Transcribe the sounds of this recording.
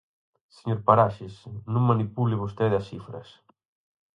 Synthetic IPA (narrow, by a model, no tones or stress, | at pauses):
seɲoɾpaɾaʃɪsnũŋmanipulɪβ̞ost̪eðɐsifɾɐ̰s